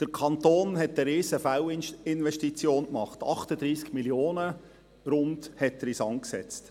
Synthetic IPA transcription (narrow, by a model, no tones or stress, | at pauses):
d̪̥əɾkʰɑnt̪oːnɦɛtəɾiːsəfæwɪnʋɛʃtit͡sjoːnkmɑχtɑ̰χtəd̪ɾiːskmiljoːnə | ɾʊnd̪hɛt̪ːɾisɑŋksɛ̰t͡st